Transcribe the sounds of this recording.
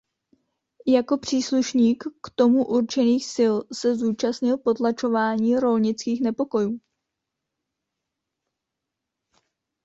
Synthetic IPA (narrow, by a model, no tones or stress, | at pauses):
jako̞pr̝̥iːsluʃɲiːkːt̪o̞muʔuɾt͡ʃɛniːxsɪlsɛzuːt͡ʃastɲɪlpo̞t̪lat͡ʃo̞vaːɲiːɾo̞lɲɪt͡skiːxnɛpo̞ko̞juː